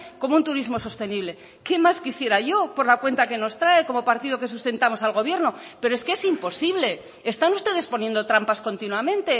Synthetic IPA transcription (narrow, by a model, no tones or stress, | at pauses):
ko̞mount̪uɾizmo̞so̞st̪e̞niβle̞ | ke̞maskisje̞ɾaʝo̞po̞ɾlakwe̞nt̪ake̞no̞st̪ɾaeko̞mo̞paɾt̪ið̞o̞ke̞s̬ust̪e̞nt̪amo̞salɣo̞β̞je̞ɾno̞pe̞ɾoe̞skeesimpo̞siβle̞ː | st̪anust̪e̞ð̞e̞spo̞nje̞nd̪o̞t̪ɾampasko̞nt̪inwamẽ̞nt̪e̞